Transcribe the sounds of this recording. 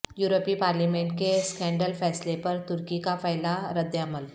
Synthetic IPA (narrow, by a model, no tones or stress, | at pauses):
juɾopiːpaɾlimeɳʈ̚keskɛ̃ɳɖəlfɛslepəɾt̪uɾkikafajlaɾəd̪jaməl